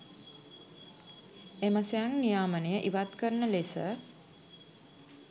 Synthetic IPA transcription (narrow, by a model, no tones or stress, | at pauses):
eməsejaŋnijaːmənəjəʔiʋat̪kəɾnəlesə̰